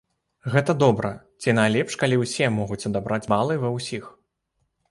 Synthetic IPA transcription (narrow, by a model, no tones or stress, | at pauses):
ɣɛt̪ɐd̪ɔbɾɐ | t͡sʲinajlʲɛpʂkalʲiwsʲɛmɔɣut͡sʲɐd̪abɾad͡zʲbalˠɨjvɐwsʲix